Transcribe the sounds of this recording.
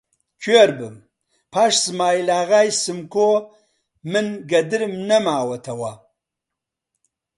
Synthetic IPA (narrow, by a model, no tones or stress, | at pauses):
kʰeːɾbɨm | pʰaːʃzmaːjlaːɣaːjsɨmkʰo | mɨnɡɐd̪ɨɾmnɐmaːwɐt̪ʰɐwa